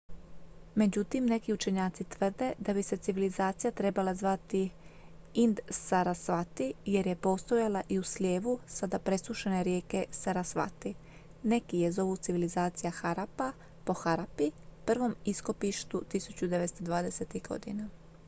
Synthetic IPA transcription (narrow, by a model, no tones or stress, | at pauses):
me̞d͡ʑut̪imne̞kiut͡ʃe̞ɲaːt̪sit̪ʋr̩d̪e̞d̪abise̞t̪siʋilizaːt̪sijat̪ɾe̞balazʋat̪i | ind̪saɾasʋat̪ije̞ɾje̞po̞ːst̪o̞jalaʔiusʎʲe̞ːʋusad̪apɾe̞suʃene̞ɾje̞ːke̞saɾasʋa̰t̪i | ne̞kije̞zo̞ʋut̪siʋilizaːt̪sijaxaɾapa | po̞xaɾapipr̩ʋo̞misko̞piʃt̪ut̪isut͡ɕud̪e̞ʋest̪od̪ʋaːd̪eset̪ixɡo̞̰d̪ḭna